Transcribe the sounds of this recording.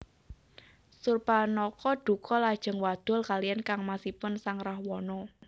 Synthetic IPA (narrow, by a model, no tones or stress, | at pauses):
surpanɔkɔɖ̪̥ṳkʰɔlad̥ʒ̥ə̤ŋwad̪̥ɔ̤lkalijankaŋmasipʊnsaŋrahwɔnɔ